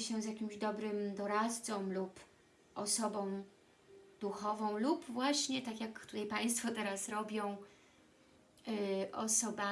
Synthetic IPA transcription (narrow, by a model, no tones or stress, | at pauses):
ɕɛzjakʲimʑd̪ɔbɾɘmd̪ɔɾat̪t̪sɔmlup | ʔɔsɔbɔ̃w̃ | d̪̥uxɔvɔ̃w̃lupvwaɕɲɛt̪akjakt̪ut̪ajpaj̃st̪fɔt̪ɛɾasɾɔbʲjɔ̃w̃ | ʔɔsɔba